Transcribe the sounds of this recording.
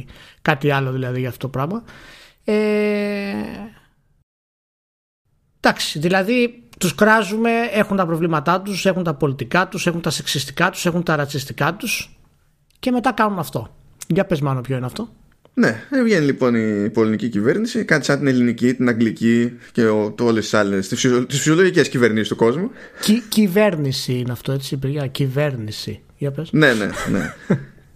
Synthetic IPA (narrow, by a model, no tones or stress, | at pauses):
kɐt̪iɐlo̞ðilɐðiʝɐft̪ot̪opɾɐɣmɐ | e | d̪̥ɐksi̥ðilɐðit̪uskɾɐzume̞e̞xunt̪ɐpɾo̞vlimɐt̪ɐt̪use̞xunt̪ɐpo̞lit̪ikɐt̪use̞xunt̪ɐseksist̪i̥kɐt̪u̥se̞xunt̪ɐɾɐt͡sist̪ikɐt̪us | ce̞me̞t̪ɐkɐnunɐft̪o̞ | ʝɐpe̞zmɐnopço̞ineɐft̪o̞ | neevʝe̞nilipo̞nipo̞linicicive̞ɾnisikɐnt̪i̥sɐnt̪ine̞linicit̪inɐŋɡliciceot̪o̞lest̪i̥sɐlest̪ft̪isfisio̞lo̞ʝicesciveɾnisist̪uko̞zmucicive̞ɾnisiineɐft̪o̞e̞t͡sipiɾʝɐcive̞ɾnisḭ | ʝɐpesne̞nḛnḛ